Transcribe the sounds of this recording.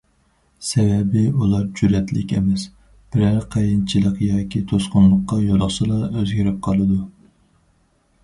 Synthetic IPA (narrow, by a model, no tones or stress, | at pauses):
sɛvɛbɪulˠɑɾd͡ʒyɾɛt̪lɪ̰kʲḛmɛs | b̥ɪɾæɾqʰejint͡ʃʰilˠəqjɑːkʲʰit̪ʰosqʊnlˠəqːɑjolˠʊχsɨlˠɑøzɡʲiɾɪp̚qʰɑlˠɨd̪u